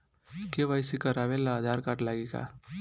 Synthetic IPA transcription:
keʋajsikəɾaʋelaːd̪ʱaɾkaʈlaɡika̰

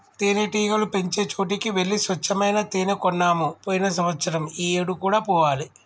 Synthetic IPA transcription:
t̪eːneʈiːɡɐlupeɲt͡ʃe̞ːt͡ʃo̞ːʈ̬ikiʋeɭːisʋɐt͡ʃːɐmɐjnɐt̪eːnɐkɔnːaːmupoːjinɐsɐmɐt̪sɐɾɐmiːeːɽukuːɽaːpɔːʋaːli

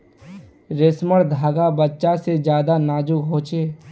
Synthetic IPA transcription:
ɾɪsməɽd̪ʱaːɡabətːʃased͡ʒjaːd̪anaːd͡ʒʊkɦoːt͡ʃeː

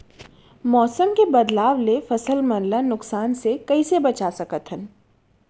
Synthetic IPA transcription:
mɔːsəmkebɐd̪laːʋlefɐsəlmɐnlanʊksaːnsekɐisebɐt͡ʃasɐkət̪ɦən

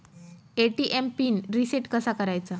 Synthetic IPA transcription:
eʈiʔempiːnɾiseʈkəsakəɾajt͡sa

